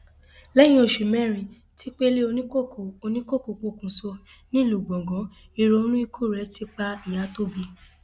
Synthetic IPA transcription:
lɛ˦j̃ĩ˦o˧˨ʃu˨mɛ̃˦˨ɾĩ˧ | tʰi˦k͡pe˦le˦o˧nĩ˦ko˦o˨o˧nĩ˦ko˦˨ko˨˧˨k͡po˧˨kũ˨˦so˧ | nĩ˦lu˨ɡ͡bɔ̃˨ɡɔ̃˨˦ | i˧ɾo˧˦nũ˦i˦˧kʰu˦˨ɾɛ˨˦ti˦k͡pa˦i˨ja˨˦to˦bi˧

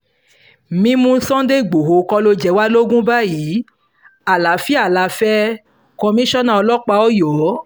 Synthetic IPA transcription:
mĩ˦mũ˧˦sɔ̃˦de˦˨ɡ͡bo˨ɦo˨kɔ˧lo˧d͡ʒɛ˧˦wa˦lo˦ɡũ˦ba˦ji˨˦ | a˨la˨˦fi˦a˦˨la˨˧fɛ˦ | kɔ̃˧mĩ˦ʃɔ˦nã˦˨ɔ˧lɔ˦k͡pa˧˦ɔ˦jɔ˨˦

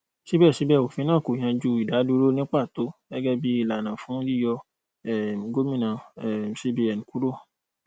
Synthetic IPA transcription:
ʃi˦bɛː˦˨ʃi˨˦bɛ˦˨wo˨fĩ˧nãː˦˨ko˨j̃ã˧d͡ʒu˧˦i˨da˨˦du˦ɾo˦nĩ˦k͡pa˦˨to˨˦ɡɛ˦ɡɛ˦bi˦i˦˨la˨nã˨fũ˨˦li˦˨jɔ˧ | ɛ˨ɡo˦mĩ˦˨nã˨ɛ˨si˦bi˧ɛ˨n˨ku˨˦ɾo˦˨

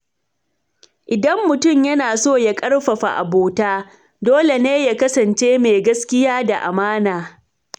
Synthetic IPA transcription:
ʔɪ˨dɐ˦mːʊ˨tʊ˦˨mjɐ˦naː˨soː˦˨ja˦kʼɐ˦rɸɐ˨ɸa˨ʔa̰˨boː˨taː˦ | doː˦le˨neː˦ja˦kɐ˦sɐ˨nt͡ʃeː˦meː˨ɡɐ˦skʲɪ˦jaː˦da˨ʔa̰˨maː˦naː˨

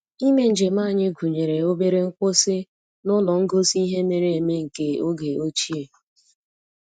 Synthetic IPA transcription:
i˦me˦n̩˨d͡ʒe˨maː˦˨ɲɪ˦ɡʷu˨ɲe˨ɾe˨o˦be˦ɾe˦ŋ̩˦kʷʊ˦sɪ˦ | nʊ˦lɔ˨ŋ̩˦ɡo˦si˦ɦe˦me˨ɾe˨e˨me˦ŋ̩˨ke˦o˦ɡe˨o˦t͡ʃi˦e˨

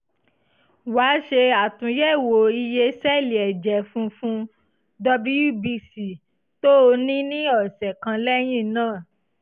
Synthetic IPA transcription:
waː˨˦ʃe˧a˨tũ˨jɛ˦˨wo˨i˧je˧sɛ˦˨li˨ɛ˨d͡ʒɛ˨fũ˧fũ˦ | dɔ˧bi˦ju˦˨bi˧si˨ | to˦o˧nĩ˦nĩ˦ɔ˦˨sɛ˨kã˧lɛ˦j̃ĩ˦˨nãː˦˨

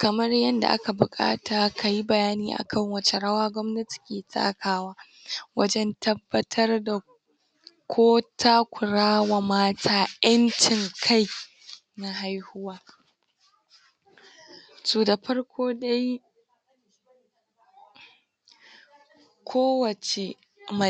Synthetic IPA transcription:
kɐ˨mɐ˦rjɐ˦nda̰˨ʔa̰˦ka˨bʊ˨kʼa̰ː˦taː˨kʰa˨ji˦bɐ˨jaː˦niː˦ʔa̰˨kʰɐ˦˨ŋwɐ˦t͡ʃe˦ɽɐ˦waː˦ɡʷɔ˦mnɐ˦ti̥˨kʲeː˨tʼa̰ː˦kʰaː˦waː˦ | wɐ˦d͡ʒɛ˦ntʰɐ˦bːɐ˦tʰɐ˦rda˨ | kʷʰoː˦tʰa˦kʷʊ˨ɽaː˦wa˨maː˦tʰaː˦jʔɐ˦nt͡ʃɪ˨ŋkʰa˦˨j | na˦ɦa˦jhʊ˦waː˦ | suː˨da˨ɸɐ˦ɽkʷʰoː˦da˦j | kʷʰoː˦wɐ˨t͡ʃe˨ | mɐ˨

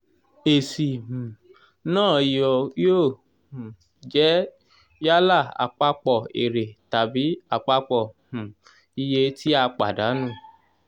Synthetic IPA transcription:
e˨si˨mũ˨ | nãː˦˨jɔ˧joː˦˨ | hũ˨ | d͡ʒɛ˦ | ja˦la˦˨a̰˨k͡pa˧k͡pɔ˦˨ḛ˨ɾe˨ta˨bi˨˦a˦˨k͡pa˧k͡pɔ˦˨hũ˨ | i˧je˧tʰi˦a˧k͡pa̰˨da˨˦nũ˦˨

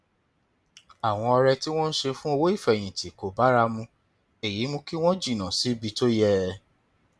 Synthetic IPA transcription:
a˨w̃ɔ̃˧ɔ˧ɾɛ˧ti˦w̃ɔ̃˦n̩˦ʃe˧fũ˦o˧wo˦i˦˨fɛ˨j̃ĩ˨tʰi˨ko˨ba˨˦ɾa˧mũ˧ | e˨ji˨˦mũ˧ki˦w̃ɔ̃˦d͡ʒi˦˨nã˨si˨˦bi˧to˦jɛ˦˧

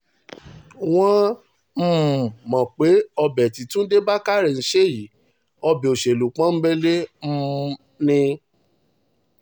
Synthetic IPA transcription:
w̃ɔ̃˦ | m̩˦˨mɔ̃˨k͡pe˨˦ɔ˧bɛ˨ti˨tũ˦de˦ba˦ka˦˨ɾe˨n̩˨˦ʃe˦˨ji˨˦ | ɔ˧bɛ˨o˨ʃe˨lu˨k͡pã˦m̩˦ɡ͡bɛ˦le˦m̩˦ | nĩ˧

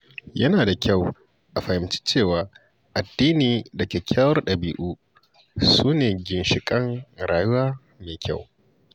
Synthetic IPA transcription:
jɐ˦naː˨da˨kʲa˦˨w | ʔa˨ɸɐ˨hɪ˨mt͡ʃi̥˦t͡ʃeː˦˨waː˨˦ | ʔa˨dːiː˦niː˨dɐ˨kʲe˨kʲʰaː˦wɐ˦rɗɐ˨biː˨ʔuː˦ | suː˦neː˨ɡʲɪ˨nʃɪ˨kʼɐ˦ŋɾaː˨jʊ˦waː˦ | meː˨kʲʰa˦˨w

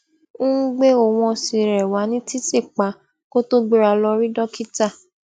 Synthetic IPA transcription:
ũ˦ɡ͡be˦o˨w̃ɔ̃˧si˧ɾɛ˨wa˨˦nĩ˦ti˦te˦˨k͡pa˨˦ | ko˦to˦ɡ͡be˧ɾa˧lɔ˧ɾi˦dɔ˦ki˦ta˦˨

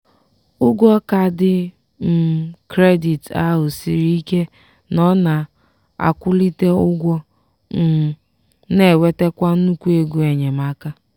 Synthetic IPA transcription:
ʊ˦ɡʷɔ˦ka˨dɪ˦ | m̩˨kɾe˦di˨ta̰˦ɦʊ˨si˨ɾi˦i˦ke˦ | nɔ˦na˨ | a̰˨kʷʊ˦li˦te˦ʊ˦ɡʷɔ˦ | m̩˨ | ne˨we˦te˦kʷa˦n̩˦u˦kʷu˦e˨ɡu˨e˨ɲe˨ma˦ka˦

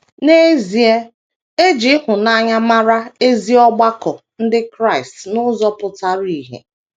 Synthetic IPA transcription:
ne˦zi˨e˦ | e˦d͡ʒi˦ɦʊ˨na˦ɲa˦ma˦ɾa˦e˦zi˦ɔ˦ɡ͡ba˦kɔ˨ | n̩˦dɪ˦kɾa˦˨ɪ˨stnʊ˦zɔ˦pʊ˨ta˦ɾi˨ɦḛ˨

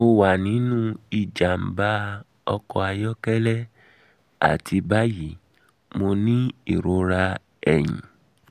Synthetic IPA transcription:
o˧wa˨nĩ˨˦nũ˦i˦˨d͡ʒa˨m̩˨ba˦ | ɔ˧kɔ˧a˧jɔ˦kɛ˦lɛ˦ | a̰˦˨tʰi˧ba˦ji˨˦ | mo˧nĩ˦i˦˨ɾo˧˦ɾa˧ | ɛ˨j̃ḭ̃˨

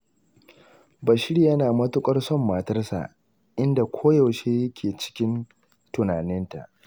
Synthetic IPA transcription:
bɐ˨ʃɪ˦ɽjɐ˦naː˨mɐ˦tʊ˦kʷʼɐ˦rsɔ˦˨mːaː˨tɐ˦rsa̰˨ʔ | ʔɪ˦nda˨kʷʰoː˦jɐ˨wʃeː˦jɐ˦kʲʰeː˨t͡ʃɪ̥˦kʲɪ˦n | tʊ˨naː˨nɪ˦nta̰˨ʔ

